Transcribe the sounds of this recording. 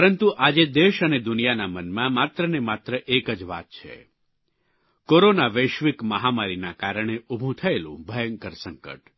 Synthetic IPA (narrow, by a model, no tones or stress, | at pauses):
pəɾənt̪uʔad͡ʒed̪eʃəned̪ʊnijanamənmãmat̪ɾənemat̪ɾəʔekəd͡ʒʋa̰t̪̚t͡ʃʰḛ | koɾonaʋəjʃʋikməɦamaɾinakaɾəɳ̃eubʱũt̪ʰəelṵ̃bʱəjəŋkəɾsəŋkə̰ʈ